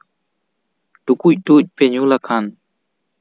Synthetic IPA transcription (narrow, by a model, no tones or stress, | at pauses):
ʈukuc̚ʈuc̚peɲulakʰan